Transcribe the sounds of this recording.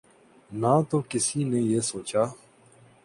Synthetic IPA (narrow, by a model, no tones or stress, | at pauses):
naːt̪okɪsinejeːsoːt͡ʃaː